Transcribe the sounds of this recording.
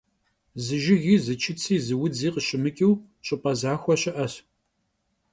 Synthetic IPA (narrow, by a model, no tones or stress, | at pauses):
zɨʒɪɣiːzɨt͡ʃʰɪt͡sʰiːzɨwʊd͡ziːqəɕɪmɨkʲʼiw | ɕʼɪpʼɐzaːxʷɔɕɪʔɐɕ